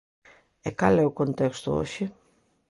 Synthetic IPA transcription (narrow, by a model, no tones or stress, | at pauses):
ekɐleokont̪ekst̪oo̰ɕi